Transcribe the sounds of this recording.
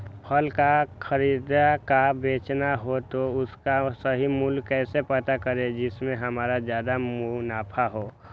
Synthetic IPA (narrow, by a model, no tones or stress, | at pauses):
pʰəlkakʰəɾiːd̪akabeːt͡ʃnaɦot̪oʊskasəɦimʊlkːɛːsepət̪akəɾed͡ʒɪsmẽɦɐmaːɾazjaːd̪amunaːpʰaɦoː